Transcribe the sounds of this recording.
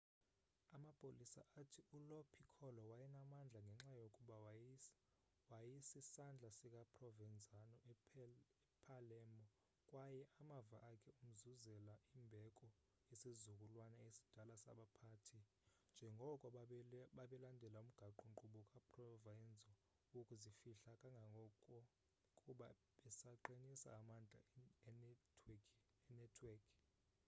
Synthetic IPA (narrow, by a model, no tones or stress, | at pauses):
amapʼolisa̰ʔatʰiulɔpʰikʰɔlɔwajɛnamand͡ɮʱaŋɡʱɛŋ͡ǁajokʼuɓa | wajisisand͡ɮʱasik̬ʼapʰʼrɔvɛnd͡zʱanɔ | pʰalɛːmɔ | kʼwajɛʔamavaʔakʰɛum̩zuzɛlaimbʱɛkʼɔ | isizukʼulwanaesi̥d̥ʱalasa̰ɓapʰaːtʰi | nd͡ʒʱɛŋɡʱɔkʼɔɓaɓɛlandʱɛlaum̩ɡ̥ʱaǃuǃuɓɔkʼapʰrɔvajɛnd͡zʱɔ | wokʼuzifiɬakʼaŋɡʱaŋɡʱɔkʼɔ | kʼuɓa | ɓɛsaǃinisa̰ːmand͡ɮʱa̰ | ɛnɛtʰwɛkʰ